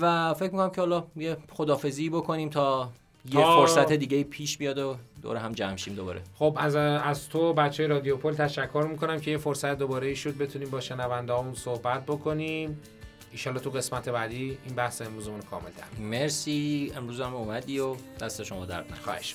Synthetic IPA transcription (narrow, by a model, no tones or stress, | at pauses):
væfe̞cmikʰonæmcʰehɒːlɒːjeχod̪ɒːfe̞ziːbokʰoniːmt̪ʰɒː | j̪ʰefoɾsæt̪ʰed̪iːɟeiːpʰiːʃbijɒːd̪od̪o̰ɾeɦæmd͡ʒæmʃiːmd̪obɒ̰ːɾʔeχobæzæzt̪ʰobæt͡ʃt͡ʃːeːjɾɒːd̪iopʰolt̪ʰæʃækʰːo̞ɾmiːkʰo̞næmcʰejefoɾsæt̪d̪obɒːɾeiʃod̪̚be̞t̪ʰuniːmbɒːʃenævænd̪eɦɒːmunsohbæt̪̚ʰbokʰo̞nim | inʃɒːlːɒːht̪ʰuɣe̞smæt̪ʰe̞bæːd̪iːinbæhseemɾuːzemunokʰɒ̰ːmelt̪ʰæ̰ɾmeɾsiːe̞mɾuːzæmumæd̪iːod̪æst̪eʃo̞mɒːd̪æ̰ɾd̪næ̰xɒ̰heʃ